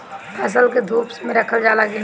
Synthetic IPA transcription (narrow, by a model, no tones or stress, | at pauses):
pʰəs̬əlked̪ʱuːpsmẽɾəkʰəld͡ʒaːlaɡɪn